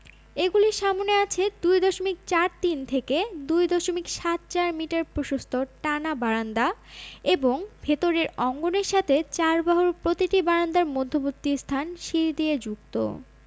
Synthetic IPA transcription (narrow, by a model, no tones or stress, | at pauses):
eɡuliɾʃamoneat͡ɕʰed̪ujd̪ɔʃomik̚t͡ɕaɾt̪int̪ʰeked̪ujd̪ɔʃomikʃat̪̚t͡ɕaɾmiʈaɾpɾoʃost̪ʰoʈanabaɾand̪aeboŋbʱet̪oɾeɾɔŋɡoneɾʃat̪ʰet͡ɕaɾbaɦoɾpɾot̪iʈibaɾand̪aɾmod̪ʱːobot̪ːist̪ʰanʃiɾd̪ied͡ʑuk̚t̪o̰